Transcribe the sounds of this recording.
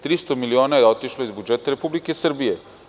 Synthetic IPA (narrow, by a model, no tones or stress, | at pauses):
t̪ɾist̪ɔmilioːnajɛot̪iʃlɔizbud͡ʒɛːt̪aɾɛpuːblikɛsəɾbijɛ